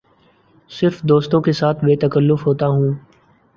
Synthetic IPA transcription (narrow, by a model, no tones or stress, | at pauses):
sɪɾfd̪oːst̪õkesaːt̪ʰbeːt̪əkəlːʊfɦoːt̪aɦũː